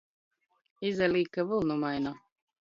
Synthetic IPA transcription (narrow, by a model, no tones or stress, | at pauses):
izɛliːkavɨlˠnumajna